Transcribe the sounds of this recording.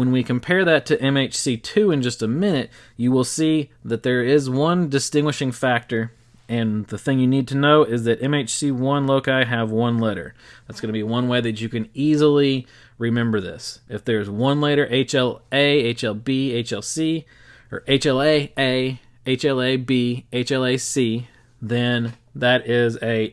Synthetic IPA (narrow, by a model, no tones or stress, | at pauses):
wə̃nwikɨ̃m̩pʰɛɹðɨtʰɨʔɛ̃meɪt͡ʃsitʰʉɨ̃nd͡ʒʌstɨmɪ̃ñɨt͡ʃɨwɪlˠsiðɨt̪̚ðə˞ɪzwʌ̃ndɨstɪ̃ŋɡwəɨʃɪ̃ŋfæk̚tə˞ | ɨ̃nðɨθɪ̃ŋjɨnid̚tʰɨnoʊʔɪzðɨɾʔɛ̃meɪt͡ʃsiwʌ̃nloʊkaɪɨvwʌ̃nlɛɾə̰˞ðætsɡ̥ʌnɨbiwʌ̃nweɪðɨt͡ʃɨkɨ̃nizl̩ˠi | ɹɨmɛ̃mbə˞ðɪ̰sɨfðə˞zwʌ̃nleɾə˞ʔeɪt͡ʃɛlˠeɪeɪt͡ʃɛlˠbieɪt͡ʃɛlˠsi | ə̰˞ʔeɪt͡ʃɛlˠeɪeɪ | eɪt͡ʃɛlˠeɪbieɪt͡ʃɛlˠeɪsi | ðɨ̃n | ðɨɾɪzɨ